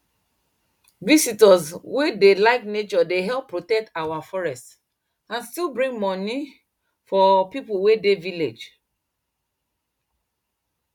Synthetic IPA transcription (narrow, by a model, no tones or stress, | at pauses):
visitɔswedelaɪknet͡ʃɔdeɦɛlpːɹotɛk̚tawafɔɹɛst | ãnstilbɹĩŋɡmɔni | fɔpipuwedeviled͡ʒ